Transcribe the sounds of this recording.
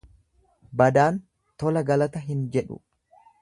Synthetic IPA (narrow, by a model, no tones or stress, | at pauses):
bɐd̪aːn | t̪ɔlɐɡɐlɐt̪ɐɦɪnd͡ʒɛᶑʊ̰